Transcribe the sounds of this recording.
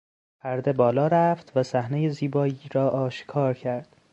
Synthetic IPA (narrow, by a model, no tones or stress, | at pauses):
pʰæɾd̪e̞bɒːlɒːɾæft̪væsæhnejeziːbɒːiːɾɒːʔɒːʃkʰɒːɾcʰæɾd̪̥